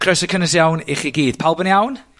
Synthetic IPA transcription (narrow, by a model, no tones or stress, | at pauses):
kʰrəsəkʰənəsjawnɪχiɡiːd̥pʰalˠbənjawn